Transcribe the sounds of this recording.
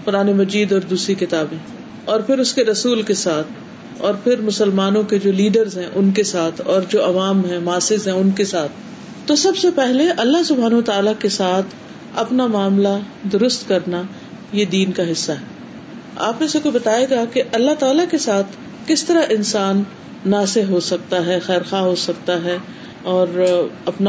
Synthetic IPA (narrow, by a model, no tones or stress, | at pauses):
pʊɾaːnemɐd͡ʒiːd̪ɔːɾd̪uːsɾikɪt̪aːbĩ | ɔːɾpʰɪɾʊskeɾɐsuːlkesaːt̪ʰ | ɔːɾpʰɪɾmʊsəlmaːnõked͡ʒoːliːɖəɾzɦɛ̃ʔʊnkesaːt̪ʰɔːɾd͡ʒoːʔɐʋaːmɦɛ̃maːsɪzɦɛ̃ʊnkesaːt̪̚ʰ | t̪ːosɐbsepɛɦleʔɐlːaɦsʊbʱaːnɐʋət̪aːlakesaːt̪ʰ | ɐpnamaːmla | d̪ʊɾʊst̪kɐɾna | jed̪iːnkaɦɪsːaɦɛː | a̰ːpnesekobɐt̪aːjeɡakeʔɐlːaɦt̪aːlakesaːt̪ʰ | kɪst̪ɐɾaʔɪnsaːnː | aːseɦɦosɐk̚t̪aɦɛxɛːɾxaːɦosɐk̚t̪aɦɛ | ɔːɾɐpna